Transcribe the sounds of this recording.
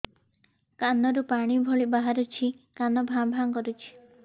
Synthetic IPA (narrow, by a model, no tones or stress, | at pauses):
kanɔɾupaɽ̃ibʱɔɭibaɦaɾɔt͡ʃʰi | kanɔbʱambʱaŋkɔɾut͡ʃʰi̥